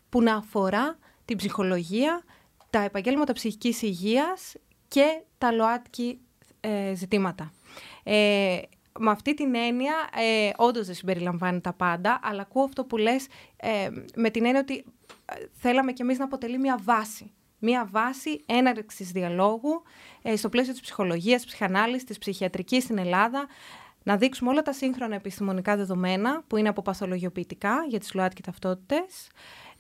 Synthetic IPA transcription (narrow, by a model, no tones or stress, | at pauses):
punɐːfo̞ɾɐ | t̪ibzixo̞lo̞ʝiɐ | t̪ɐe̞pɐɲɟe̞lmɐt̪ɐpsiçicisiʝiɐs | ce̞t̪ɐlo̞ɐt̪ci | ezit̪imɐt̪ɐ | e | mɐft̪it̪ine̞niɐo̞nd̪o̞zðesimbe̞ɾilɐɱvɐnet̪ɐpɐnd̪ɐʔɐlɐːkuoɐft̪o̞pule̞s | me̞t̪ine̞niɐo̞t̪i | θe̞lɐme̞ce̞miznɐːpo̞t̪e̞limɲɐvɐsi | mɐvɐsie̞nɐɾksizðiɐlo̞ɣu | st̪o̞ple̞sio̞t̪i̥spsi̥xo̞lo̞ʝiɐspsi̥xɐnɐlist̪ispsiçiɐt̪ɾicist̪ine̞lɐðɐ | nɐðiksumeo̞lɐt̪ɐsiŋxɾo̞nɐepist̪imo̞nikɐðe̞ðo̞me̞nɐpuine̞ɐpo̞pɐθo̞lo̞ʝio̞piːt̪ikɐʝɐt̪i̥zloɐt͡s̪cet̪ɐft̪o̞t̪i̥t̪e̞s